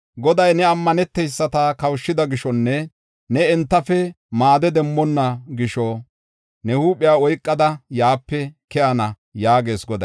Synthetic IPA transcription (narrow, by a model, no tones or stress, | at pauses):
ɡɔd̪ɐjnɛɐmːɐnɛt̪ːɛjsːɐt̪akɐwʃːɪd̪ɐɡɪʃɔnːɛ | nɛɛnt̪ːɐfɛ | maːd̪ɛd̪ɛmːɔnːɐɡɪʃɔ | nɛhuːpʼːɪjaːɔjkʼːɐd̪ɐjaːpːɛkɛʔɐnɐ | jaːɡe̞ːsɡɔd̪ɐ